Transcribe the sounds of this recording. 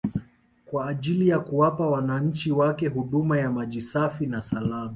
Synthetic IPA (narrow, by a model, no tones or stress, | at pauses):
kwaːʄilijakuwapawanaɲ̩t͡ʃiwakɛɦuɗumajamaʄisafinasalama